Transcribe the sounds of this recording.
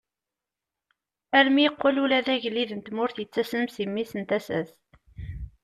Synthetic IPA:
æɾmiəqːʊlulæðæʝəlːiðənt̪mʊɾθjət͡sːæsnəmsimːisənt̪æsæ̰s

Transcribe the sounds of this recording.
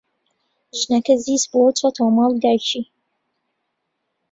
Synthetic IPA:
ʒɨnɐkɐziːsbot͡ʃʰat̪ʰowmɑːlˠd̪aːjt͡ʃʰiː

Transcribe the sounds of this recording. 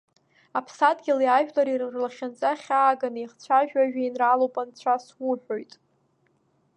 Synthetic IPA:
apʰsadʼɡʲɪliaʒᶣlaɾirrlaχʲant͡sʼaχʲaːɡaniχt͡sʷʰaʒᶣaʒᶣainralowpʼant͡sʷʰaswʊħʷᶣo̞jtʼ

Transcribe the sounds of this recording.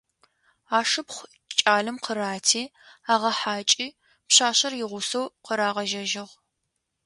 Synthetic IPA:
aːʂɨpχʷ | t͡ʃʼaːɮɨmqʰəɾaːtʰiː | aːʁɐħaːt͡ʃʼiː | pɕaːɕɐrjɪʁʷʊsɐwqəɾaːʁɐʒɐʒɪʁ

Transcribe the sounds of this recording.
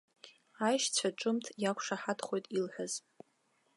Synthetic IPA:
ajʃt͡ɕʷʰaʈ͡ʂʼɨmtʰjakʷʰʂaħatʰχo̞jtʼilħʷᶣaz̥

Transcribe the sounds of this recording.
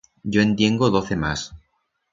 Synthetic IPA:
ɟ͡ʝo̞e̞nt̪je̞ŋɡoðo̞θe̞mas

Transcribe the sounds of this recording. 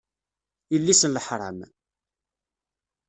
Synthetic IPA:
ilːisənləħɾˤə̰m

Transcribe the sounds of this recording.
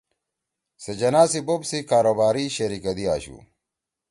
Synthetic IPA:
sed͡ʑɐnaːsibobsikaːɾobaːɾiɕɐɾikɐd̪ia̰ːɕṵː

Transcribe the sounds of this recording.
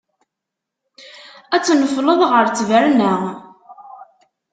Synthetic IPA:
æt͡sːnəfləðˤʁəɾt͡sːvəɾnə

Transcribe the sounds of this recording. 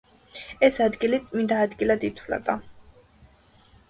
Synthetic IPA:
ɛsad̪ɡilit̪sʼmind̪aːd̪ɡilad̪it̪ʰwlɛ̰ba

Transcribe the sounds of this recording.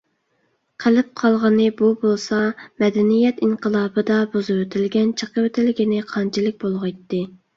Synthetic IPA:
qʰəlɪp̚qʰɑlˠʁɑnɨbubolˠsɑmɛd̪ɛnijɛt̪iɴqʰəlˠɑːbɨd̪ɑbozɨwøt̪ʰɪlɡʲɛnt͡ʃʰəqəwet̪ʰɪlɪɡʲinɪqʰɑnt͡ʃʰilˠɪk̚ʲbolˠʁɑjt̪ːɨ

